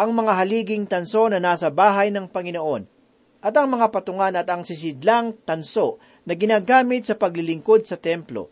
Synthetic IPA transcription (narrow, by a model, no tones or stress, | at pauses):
ʔɐŋmɐŋaɦɐliːɡɪŋt̪ɐnso̞nɐnaːsɐbaːɦɐjnɐŋpɐŋɪnoʔo̞n | ʔɐt̪ɐŋmɐŋapɐt̪ʊŋanɐt̪ɐŋsɪs̬ɪd̪laŋt̪ɐnso̞ʔ | nɐɡɪnaːɡaːmɪt̪̚sɐpɐɡlɪlɪŋko̞d̪̚sɐt̪ɛmplo̞̰